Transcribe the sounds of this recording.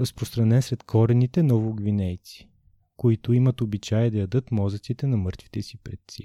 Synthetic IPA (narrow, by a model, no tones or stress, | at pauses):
ɾɐspɾost̪ɾɐnɛnsɾɛt̪kʰɔɾɛnit̪ɛnɔvoɡvinɛjt̪si̥ | koit̪ʊimɐt̪obit͡ʃajɛd̪ɐjɐd̪ɤt̪mɔzɐt̪sit̪ɛnɐmɤɾt̪vi̥t̪ɛsipɾɛt̪sɛ